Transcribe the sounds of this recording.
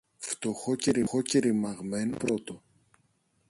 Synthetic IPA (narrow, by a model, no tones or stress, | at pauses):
ft̪oxoceɾixoceɾimɐɣmenpɾot̪o